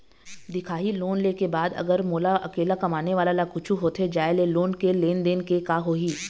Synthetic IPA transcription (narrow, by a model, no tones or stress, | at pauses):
d̪ɪkʰaːɦiloːnleːkebaːd̪ɐ̰ɡəɾmoːlaʔɐ̰keːlakɐmaːneʋaːlalakʊt͡ʃʰuɦoːt̪ʰed͡ʒaːeleloːnkeleːnd̪eːnkekaːɦoːɦiː